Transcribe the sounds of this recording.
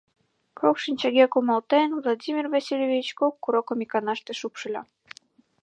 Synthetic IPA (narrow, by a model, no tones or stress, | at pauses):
kʰokʃinʲt͡ɕə̆ɣekumɑlt̪envlˠodʲimʲirvɑsilʲevʲit͡ɕkokːuɾokomikɑnɑʃt̪eʃupʃɤ̆lʲɑ